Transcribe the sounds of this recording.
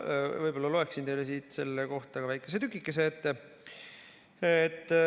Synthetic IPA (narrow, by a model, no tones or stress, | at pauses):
vɤjbo̞lːɑlo̞eksint̪e̞jlesiːt̪se̞lːeko̞ht̪ɑɡɑvæjkːˑe̞s̬et̪ykːˑikːˑe̞s̬e̞et̪ːe | et̪ːˑ